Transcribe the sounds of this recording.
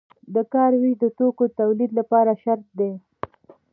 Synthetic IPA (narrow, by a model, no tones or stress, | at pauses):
d̪əkɑɾwiʒd̪ət̪okot̪awlid̪lapɑɾaʃaɾt̪̚d̪e